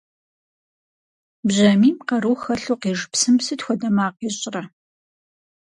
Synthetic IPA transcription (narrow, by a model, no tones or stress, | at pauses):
bʑɐmiːmqɐɾuːxɐɬuːqeːʐpsɨmsɨtxʷɔdɐmaːqeːɕʼrɐ